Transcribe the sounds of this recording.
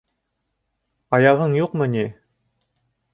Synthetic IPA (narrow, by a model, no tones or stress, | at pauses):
ɑjɑʁɤɴjuqmɤ̆nʲi